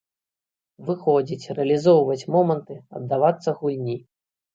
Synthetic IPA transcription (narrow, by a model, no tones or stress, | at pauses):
vɨxɔd͡zʲit͡sʲrɛɐlʲizɔwvɐt͡sʲmɔmɐnt̪ɨɐ̰d̪dːavat̪sːɐɣulʲnʲi